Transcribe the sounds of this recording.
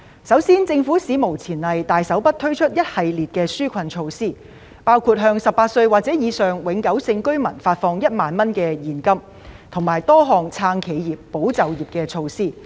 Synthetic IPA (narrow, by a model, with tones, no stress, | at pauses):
sɐ˨˥wsiː˥nt͡sɪ˧ŋfu˨˥siː˨˥mo˨˩wt͡sʰiː˨˩nlɐ˨jt̪aː˨jsɐ˨˥wpɐ˥t̪ʰɵ˥ɥt͡ʃʰɵ˥t̚jɐ˥t̚hɐ˨jliː˨t̚kɛː˧syː˥kʷʰɐ˧nt͡ʃʰo˧wsiː˥˩ | paː˥wkʰuː˧t̚ɦœː˧ŋsɐ˨p̚aː˧t̚sɵ˧ɥwaː˨˩t̚t͡sɛː˨˥jiː˨˧sœː˨ŋwɪ˨˥ŋkɐ˨˥wsɪ˧ŋkɵ˥ɥmɐ˨˩nfaː˧t̚fɔː˧ŋjɐ˥t̚maː˨nmɐ˥nkɛː˧jiː˨˩nkɐ˥m | t̪ʰʊ˨˩ŋmaː˨˩jt̪ɔː˥ɦɔː˨˩ŋt͡sʰaː˧ŋkʰe˨˧jjiː˨pːo˨˥wt͡sɐ˨wjiː˨p̚kɛː˧t͡ʃʰo˧wsiː˥˩